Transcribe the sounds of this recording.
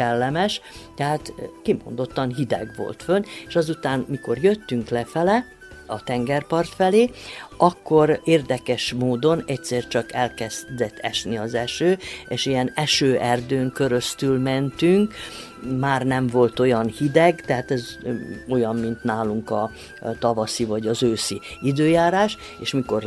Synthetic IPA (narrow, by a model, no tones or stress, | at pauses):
ɛlːɛmɛʃt̪ɛɦaːt̪kimo̰nd̪o̞t̪ːɒnɦid̪ɛ̰ɡʋo̞̰lt̪føneʃɒzut̪aːnmiko̞rjøt̪ːyŋklɛfɛlɛ | ɒt̪ɛŋɡɛrpɒrt̪fɛleːʔɒkːo̞ɾeːrd̪ɛkɛʃmoːd̪o̞nɛcsɛːrt͡ʃɒkɛlkɛzd̪ɛt̪ʰːɛʃniɒzɛʃøːeːʃijɛnɛʃøːʔɛrd̪øːŋkø̞ɾø̞st̪ylmɛnt̪yŋk | maːrnɛɱvo̞lt̪o̞jɒnhid̪ɛɡt̪ɛɦaːt̪ɛzo̞jɒmmint̪naːluŋkɒ | t̪ɒvɒsivɒɟɒzøːsiid̪øːjaːɾaːʃ | eːʃmiko̞r